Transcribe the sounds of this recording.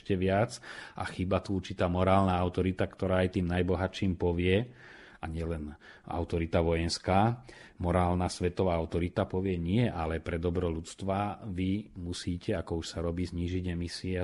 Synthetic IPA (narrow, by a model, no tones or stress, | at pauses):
cɛʋɪat͡sʔa̰xiːbat̪uuɾt͡ʃit̪aːmɔɾaːlnaaʊt̪ɔɾit̪akt̪ɔɾaːajt̪iːmnajbɔɦat͡ʃiːmpɔʋɪɛ | aɲɪɛlɛn | a̰ʊt̪ɔɾit̪aʋɔjɛnskaːmɔɾaːlnasʋɛt̪ɔʋaːaʊt̪ɔɾit̪apɔʋɪɛɲɪɛʔalɛpɾɛd̪ɔbɾɔlut͡st̪ʋaʋimusiːcɛakɔuʃsaɾɔbiːzɲiːʒiɟɛmisiɛ